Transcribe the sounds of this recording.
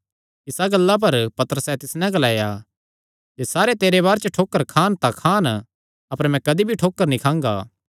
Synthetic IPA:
ɪsaɡɐlːap̬ɐɾpɐt̪əɾəsɛt̪ɪsnɛ̃ɡɐlaːja | d͡ʒeːsaːɾet̪eːɾeβaːɾt͡ʃəʈʰoːkːəɾkʰaːnt̪akʰaːn | ɐpəɾmɛ̃kɐd̪ibʱiʈʰoːkːəɾnĩkʰãːŋɡa̰ː

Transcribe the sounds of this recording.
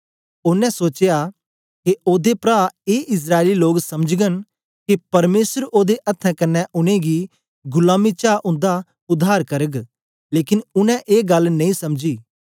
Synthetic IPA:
ʊnɛ̃soːt͡ʃja | keoːd̪epɾaːeːʔɪs̬ɾaːɪliloːɡsɐməd͡ʒɡən | kepɐɾmeːsəɾoːd̪eʔɐt̪ʰːɛ̃kɐnːɛ̃ʔʊnẽɡi | ɡʊlaːmit͡ʃaːʔʊ̃nd̪a | ʊd̪ʱːaːɾkɐɾəɡ | leːkɪnʊnɛ̃ʔeːɡɐlnɐ̃ĩːsɐmd͡ʒiː

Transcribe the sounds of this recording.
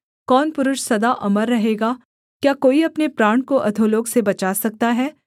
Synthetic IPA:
kɔːnpʊɾʊʃsɐd̪aʔɐməɾːɐɦeːɡaː | kjaːkoːiɐpnepɾaːɳ̃koʔɐd̪ʱoloːɡsebɐt͡ʃaːsɐk̚t̪aɦɛː

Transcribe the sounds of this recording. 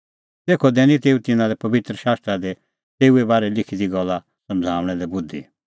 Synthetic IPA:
t̪eːkʰɔd̪ɛ̃ːnĩt̪eːut̪ɪnãlɛpɐbɪt̪ɾəʃaːst̪ɾad̪ɛ | t̪eːuebaːɾɛlɪkʰid̪iɡɔlːa | sɐ̃md͡zʱaːʋɽ̃ɛlɛbʊd̪ʱḭ

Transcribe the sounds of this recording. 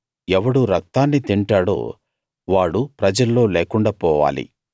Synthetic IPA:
ɛʋɐɽuɾɐk̚t̪aːnːit̪iɳʈaːɽo̰ː | ʋaːɽupɾɐd͡ʒɐlːo̞ːleːkuɳɖaːpɔːʋa̰ːlḭ

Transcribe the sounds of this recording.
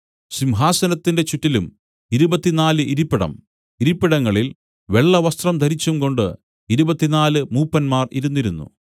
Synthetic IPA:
ɕimɦaːsɐnɐt̪ːinde̞t͡ɕuʈːilum | iɾubɐt̪ːinaːlɨʔiɾipːiɽɐ̰m | iɾipːiɽɐŋːɐɭil | ʋe̞ɭːɐʋɐst̪rɐmd̪ʱɐɾit͡ɕːumko̞ɳɖɨ | iɾubɐt̪ːinaːlɨmuːpːɐnmaːrḭɾun̪ːiɾunːṵ

